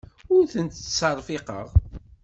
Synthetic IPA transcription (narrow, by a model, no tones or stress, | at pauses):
ʊɾθənt̪sərˤfɪqə̰ʁ